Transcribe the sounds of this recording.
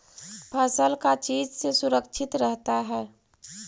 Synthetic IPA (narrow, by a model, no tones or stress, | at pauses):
pʰəsəlkat͡ʃiːd͡ʒsesuɾəkt͡ʃʰɪt̪ɾəɦt̪aɦɛː